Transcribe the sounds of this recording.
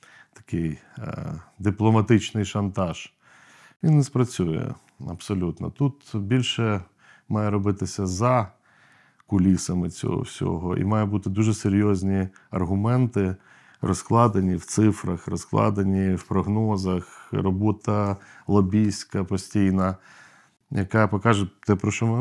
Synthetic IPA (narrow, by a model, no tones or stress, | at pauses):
t̪ɐ̥kɪj | d̪ɪplˠɔmɐt̪ɪt͡ʃnɪjʃɐnt̪ɑʒ̥ | ʋʲinːɛspɾɐt͡sʲujɛ̰ | ɐbsɔlʲut̪nɔ̰t̪ut̪bʲilʲʃɛ | mɑjɛɾɔbɪt̪ɪsʲɐzɐ | kʊlʲisɐmɪt͡sʲɔ̰ɦɔ̰wsʲɔ̰ɦɔʔḭmɑjɛbut̪ɪd̪uʒɛseɾʲjɔzʲnʲi | ɐrɦʊmɛnt̪ɪ | rɔsklˠɑd̪enʲiwt̪sɪfɾɐxrɔsklˠɑ̰d̪ɐnʲiwpɾɔɦnɔzɐxrɔbɔt̪ɐlˠɔbʲisʲkɐpɔsʲtʲijnɐ | jɐkɑpɔkɑʒɛt̪ɛpɾɔʃɔm